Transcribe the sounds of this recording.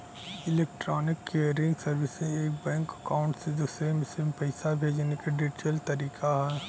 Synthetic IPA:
ɪleːk̚ʈɾɔːnɪkːejəɾɪ̃ŋɡsɐɾʋɪsẽeːk̚bɛ̃ːŋkɐkaːʊ̃ɳʈsed̪uːsɾemɪsɪmpɐɪsabʱeːd͡ʒnekaɖɪd͡ʒʈəlt̪ɐɾiːkaɦɛː

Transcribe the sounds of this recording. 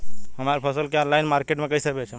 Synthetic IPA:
ɦəmaɾpʰəsəlkeɔ̃nlaɪnmaɾkeʈmẽkəisəkbet͡ʃʰe

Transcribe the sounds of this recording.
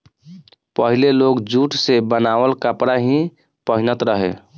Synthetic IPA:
pəɦilelokd͡ʒuʈsebənawəlkəpɾaɦĩ | pəɦinət̪ɾəɦḛ

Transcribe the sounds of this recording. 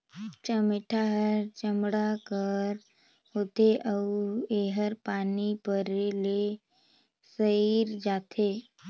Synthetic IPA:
t͡ʃəmeʈʰaɦəɾt͡ʃəmɽaɡʱəɾ | hot̪eʔəueɦəɾpanipəɾele | səiɾd͡ʒat̪ʰe

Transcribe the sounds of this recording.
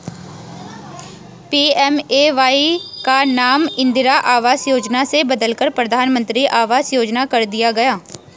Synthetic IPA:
piːɛːmeːʋaːikanaːmɪ̃nd̪ɪɾaʔaːʋaːzjoːd͡ʒnasebɐd̪əlkəɾpɾəd̪ʱaːnmə̃nt̪ɾiʔaːʋaːzjoːd͡ʒnakɐɾd̪ɪjaɡɐjaː

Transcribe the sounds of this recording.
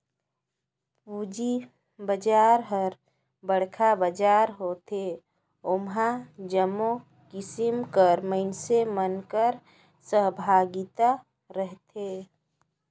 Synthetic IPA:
ud͡ʒi | bəd͡ʒaːɾɦəɾ | bəɽ̤kʰabəd͡ʒaːɾɦot̪ʰe | omɦãd͡ʒəmo | kɪsimkəɾməɪnsemənkəɾ | səɦbʱaːɡit̪a | ɾəɦt̪ʰe

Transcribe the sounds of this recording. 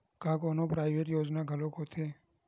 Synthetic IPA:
kãːkoːnõpɾaːɪʋeːʈjoːd͡ʒnaɡʱəlõːkot̪ʰeː

